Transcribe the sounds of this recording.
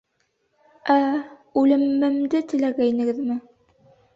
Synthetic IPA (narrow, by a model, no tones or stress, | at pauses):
æʉlɘ̆mːɘ̆md̪ɘt̪ɘ̆læɡæinɘ̆ɡɘðmɘ